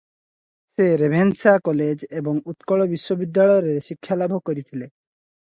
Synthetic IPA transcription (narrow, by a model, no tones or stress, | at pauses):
seɾebʱensakɔled͡ʒebɔŋut̪kɔɭɔbiʃwobid̪ːaɭɔɔɾeɾeʃikʰːjalabʱokɔɾit̪ʰile